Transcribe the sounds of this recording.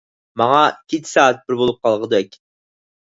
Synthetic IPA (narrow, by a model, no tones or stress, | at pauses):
mɑŋɑkʲʰet͡ʃ̪ʰsɑːæt̪̚b̥ɪɾbolˠup̚qʰɑlˠʁəd̪ɛkʲ